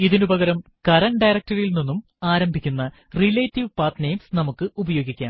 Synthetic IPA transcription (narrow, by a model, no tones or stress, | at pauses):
iðinubɐɣɐɾɐmkɐɾɐnɖɐjɾɐk̚tɐɾilninːum | aːɾɐmbʱikʲːunːɐ | rileːtːiʋpaːt̪nejmsnɐmukːɨubɐjo̞ːɡikʲːaːm